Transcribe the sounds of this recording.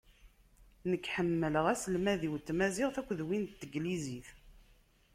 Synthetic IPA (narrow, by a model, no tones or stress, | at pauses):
nəkːħəmːələʁæsəlmæðiwt̪ːmæzɪʁθækʷːðwint̪t̪ːəɡliziθ